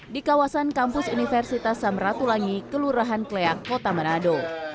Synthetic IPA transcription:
dikawasankampʊsunifɛrsit̪asamrat̪ulaŋikəluɾaɦankleakːot̪amanado

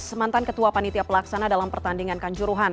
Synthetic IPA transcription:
səmant̪ankət̪uapanit̪iapəlaksanadalampərt̪andiŋankaɲt͡ʃuɾuɦan

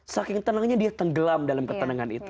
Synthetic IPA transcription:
sakɪŋt̪ənaŋɲadiat̪əŋɡəlamdalamkət̪ənaŋanḭt̪u

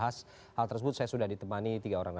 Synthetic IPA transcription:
ɦas | halt̪ərsəbʊt̪̚sajasudahdit̪əmanit̪iɡaoɾaŋna

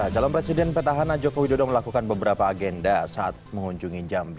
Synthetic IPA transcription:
t͡ʃalɔmpɾesidɛnpet̪aɦanad͡ʒokowidodɔməlakukanbəbəɾapaːɡɛndasaʔat̪̚məŋuɲd͡ʒuŋid͡ʒambi

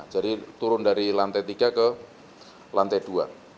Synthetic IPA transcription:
d͡ʒadit̪uɾʊndaɾilant̪ɛt̪iɡ̥akə | lant̪ɛd̥ua̰

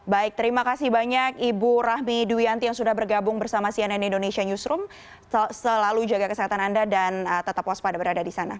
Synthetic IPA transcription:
baɪk̚t̪əɾimakasɪhbaɲakibuɾahmiduiant̪ijaŋsudahbərɡabʊŋbərsamasiananindonesiaɲusɾʊm | səlalud͡ʒaɡakəsəɦat̪anandadanət̪ət̪apaspadabəɾadadisana

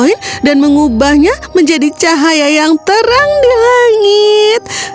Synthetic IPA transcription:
indanməŋubahɲaməɲd͡ʒadit͡ʃaɦajajaŋt̪əɾaŋdilaŋit̪̚

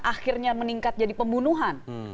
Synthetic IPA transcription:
ʔaxɪrɲaməniŋkat̪̚d͡ʒadipəmbunuɦan

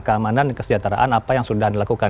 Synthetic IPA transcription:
kəamanankəsəd͡ʒat̪aɾa̰ʔanapajaŋsudahndilakuka

